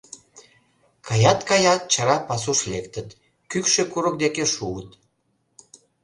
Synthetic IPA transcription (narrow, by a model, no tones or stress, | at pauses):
kʰɑjɑt̪kɑjɑt̪̚t͡ɕɑɾɑpɑs̬uʃlekt̪ət̪ | kykʃekuɾək̚d̪ekeʃuət̪